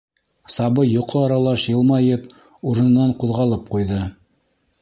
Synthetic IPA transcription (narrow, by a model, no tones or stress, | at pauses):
sɑβɤjoqʰoɑɾɑlˠɑʃjɤ̆lˠmɑjɤp | uɾɤ̆n̆nːɑɴquðʁɑlˠɤp̚qujðɤ